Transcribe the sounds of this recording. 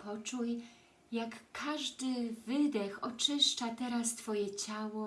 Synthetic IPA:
pɔt͡ʂuj | jakːaʐd̪ɘvɘd̪ɛxɔt͡ʂɘʂt͡ʂat̪ɛɾast̪fɔjɛt͡ɕawɔ

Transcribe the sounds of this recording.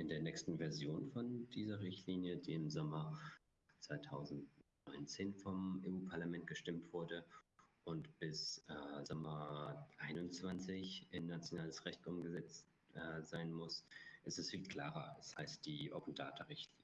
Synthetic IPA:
ʔɪndeːɐnɛːkstn̩vɛɐzjoːnfɔndiːzɐʁɪçtʰliːnjədiːɪmzɔmɐ | t͡sv̥aɪtʰaʊzn̩tnɔʏnt͡seːnfɔmeːuːpʰaɐlamɛnt̚ɡ̥əʃtɪmtv̥ʊɐdəʔʊntb̥ɪsʔɛːzɔmɐʔaɪnʊnt͡sv̥ant͡sɪçʔɪnːat͡sjonaːləsʁɛçtʔʊmɡəzɛt͡st | ʔɛzaɪnmʊsʔɪstɛsfiːlkl̥aːʁɐ̰shaɪst̚d̥iːʔo̰pn̩daːtəʁɪçtliː

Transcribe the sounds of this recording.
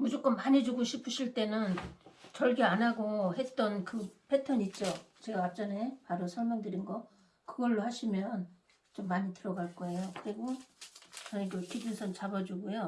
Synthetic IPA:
mud͡ʑok͈ʌnpaɲed͡ʑuɡoɕʰipʰɯɕʰiɭt͈e̞nɯnt͡ɕʌɭɡeanaɡohe̞t̚t͈ʌnkɯpʰe̞tʰʌɲit͡ɕ͈ot͡ɕeɡaap̚t͡ɕ͈ʌne̞paɾosʰʌɭmjʌŋdɯɾinɡʌ | kɯɡʌɭːohaɕʰimjʌn | t͡ɕomːaɲitɯɾʌɡaɭk͈ʌe̞jokɯɾiɡo | t͡ɕʌneɡjʌkibunsʰʌnt͡ɕabad͡ʑuɡujo

